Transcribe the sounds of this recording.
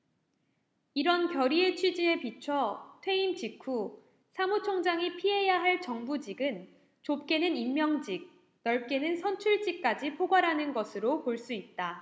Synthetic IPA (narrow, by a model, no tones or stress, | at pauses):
iɾʌnkjʌɾie̞t͡ɕʰɥid͡ʑie̞pit͡ɕʰʌtʰwe̞imt͡ɕikʰu | sʰamut͡ɕʰoŋd͡ʑaŋipʰiɦe̞jaɦaɭt͡ɕʌŋbud͡ʑiɡɯn | t͡ɕop̚k͈e̞nɯnimmjʌŋd͡ʑik̚ | nʌɭk͈e̞nɯnsʰʌnt͡ɕʰuɭt͡ɕ͈ik̚k͈ad͡ʑipʰoɡwaɾɦanɯnɡʌsʰɯɾopoɭs͈uit̚t͈a